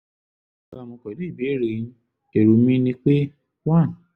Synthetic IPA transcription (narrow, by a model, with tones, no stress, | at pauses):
ka˦˨mõ˧kɔ˨li˦i˦˨be˨˦˨ɾi˨˦ | e˨ɾu˨˧mĩ˦nĩ˦k͡pe˦ | wã˦˨